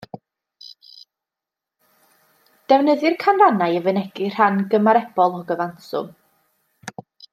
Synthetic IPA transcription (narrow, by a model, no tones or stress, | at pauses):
d̥ɛwnəðɨrkʰanranajəvənɛɡɪr̥anɡəmaɾɛb̥ɔlˠɔɡəvansʊ̰m